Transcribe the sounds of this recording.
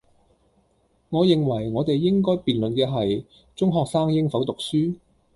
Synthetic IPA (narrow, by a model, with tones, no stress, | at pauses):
ŋɔː˨˧jɪ˨ŋwɐ˨˩jŋɔː˨˧t̪e˨jːɪ˥ŋkɔː˥jpiː˨˩nlɵ˨nkɛː˧ɦɐ˨j | t͡sʊ˥ŋɦɔː˨k̚saː˥ŋjɪ˥ŋfɐ˨˥wt̪ʊ˨k̚syː˥